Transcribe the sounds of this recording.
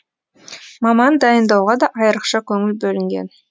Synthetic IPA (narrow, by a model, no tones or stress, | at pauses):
mɑmɑnd̪ɑjənd̪ɑwʁɑd̪ɑʔɑjəɾəqʃɑkʲʰɵŋɪlbɵlɪŋɡʲḛn